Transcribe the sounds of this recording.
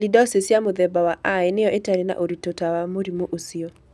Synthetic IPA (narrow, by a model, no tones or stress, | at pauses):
lidɔsɪsjamoðɛbawaʔaɪnɪɔʔɪtaɾina̰ʔoɾitotawamoɾimoʔosio